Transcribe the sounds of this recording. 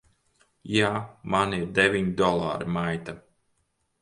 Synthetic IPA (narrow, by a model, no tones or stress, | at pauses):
jaːmaniɾd̪evʲiɲd̪ɔlˠa̰ːɾimajt̪a